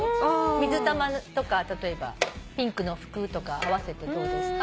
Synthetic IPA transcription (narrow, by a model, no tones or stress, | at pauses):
mʲizɨt̪amat̪o̞kat̪at̪o̞e̞ba̰pʲĩŋkɯ̟no̞ɸɯ̟̥kɯ̟ːt̪o̞kaaβ̞ase̞t̪e̞d̪oːd̪esɨ̥ka